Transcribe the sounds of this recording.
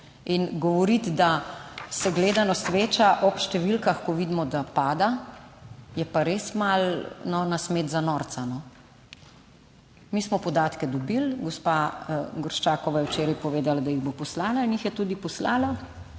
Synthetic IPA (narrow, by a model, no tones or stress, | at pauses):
inɡɔʋɔɾit̪d̪asɛɡleːd̪anɔsʋeːt͡ʃaʔɔpʃt̪ɛʋilkaxkɔʋid̪mɔd̪apaːd̪a | jɛpaɾeːsmalnɔnasmeːt̪zanɔɾt̪sanɔ | miːsmɔpɔd̪aːt̪kɛd̪ɔbilɡɔspaɡɔɾʃt͡ʃaːkɔʋajɛwt͡ʃeːɾajpɔʋeːd̪alad̪ajiɣbopɔslaːlainjixjɛt̪ud̪ipɔslaːla